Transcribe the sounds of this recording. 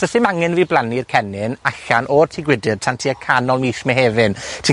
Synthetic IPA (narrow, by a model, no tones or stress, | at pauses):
əsɪmaŋɨnviːblanirkʰɛnɪnaɬanʔɔrtʰiːɡwɪdɨd̚tʰantʰiːəkʰanɔlˠmiːʃmɛɦeːvɨntʰiː